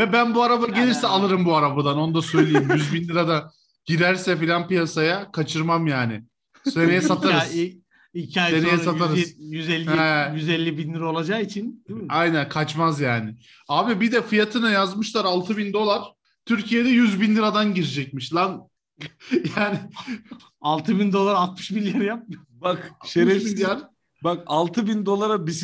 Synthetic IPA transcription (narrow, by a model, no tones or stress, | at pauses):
vɛbænbuaɾabaɟe̞lʲiɾsɛalˠɯɾɯmbuaɾabad̪ano̞nud̪asøjlʲijimjyzbinlʲiɾad̪a | ɟ̥iɾæɾsɛfilʲanpijasajakʰat͡ʃʰɯɾmamjaːnɪ̰ | senejɛsat̪ʰaɾɯ | icʰiajenejɛsaaɾɯzjyzɛlʲːɛjyzɛlʲːibinlʲiɾaolˠad͡ʒakit͡ʃʰind̪iajnænkʰat͡ʃmazjaːnɪ | aːbibid̪ɛfɯjat̪ʰɯnajazmɯʃlˠaɾalˠt̪ʰɯbind̪o̞lˠaɾ̥ | t̪ʰyɾcʰijed̪ɛjyzbinlʲiɾad̪anɟiɾid͡ʒɛc̚miʃlˠan | jaːnɪ | alˠt̪ʰɯbind̪o̞lˠaɾalt̪̚mɯ̥ʃbilʲjaɾjap̚mɯjobakʃeɾesinjan | bakalˠt̪ʰɯbind̪o̞lˠaɾabis